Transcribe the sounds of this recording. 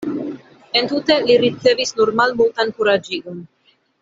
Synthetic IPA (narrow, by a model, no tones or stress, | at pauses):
entute̞liɾit͡se̞visnuɾmalmultankuɾad͡ʒiɡon